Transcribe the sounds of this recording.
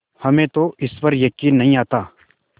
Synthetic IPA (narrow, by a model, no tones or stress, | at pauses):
hɐmẽːt̪oʔɪspɐɾjɐkiːnːɐɦĩaːt̪aː